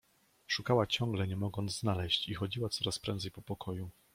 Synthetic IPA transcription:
ʂukawat͡ɕɔ̃ŋɡlɛɲɛmɔɡɔnd̪znalɛɕt͡ɕixɔd͡ʑiwat̪sɔɾaspɾɛnd̪zɛjpɔpɔkʰɔju

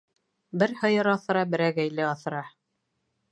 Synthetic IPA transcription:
bɘɾhɤ̆jɤɾɑθɤ̆ɾɑbɘ̆ɾæɡæjlɘɑθɤ̆ɾɑ

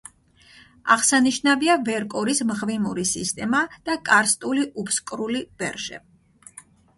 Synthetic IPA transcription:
a̰ʁsaniʃnaviavɛɾkʼɔɾismʁvimuɾisist̪ʼɛmad̪̥akʼaɾst̪ʼuliʔupʰskʼɾulib̥ɛɾʒɛ̰

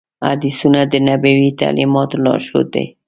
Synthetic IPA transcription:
a̰d̪isunad̪ənabawit̪a̰limɑt̪olɑ̰ʃo̰d̪ḛ

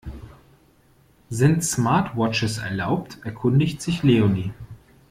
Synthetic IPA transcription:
zɪntsmaɐtʰwɔt͡ʃəsɛ̰ɐlaʊp̚tʰʔɛɐkʰʊndɪçtz̥ɪçleːoniː

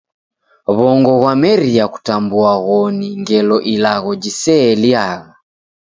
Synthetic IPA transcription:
βɔŋɡɔɣwamɛɾiaku̥tambuaɣɔniŋɡɛlɔʔilaɣɔd͡ʒisɛːliaɣa

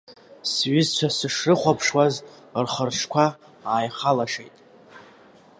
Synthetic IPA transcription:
sɥɪzt͡ʃʷʰasɨʂrɨχʷapʰʂwaz | rχərʈ͡ʂʰkʷʰa | aːjχalaʂejtʼ

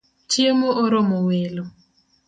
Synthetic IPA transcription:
t͡ʃjemoʔoɾɔmowelo

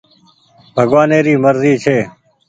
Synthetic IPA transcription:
bʱəɡʋaːneːɾiːməɾziːt͡ʃʰeː

